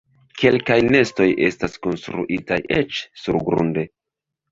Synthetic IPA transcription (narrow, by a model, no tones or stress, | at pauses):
ke̞lkajne̞sto̞jʔe̞̰staskonstɾṵʔitaje̞t͡ʃsuɾɡɾṵnde̞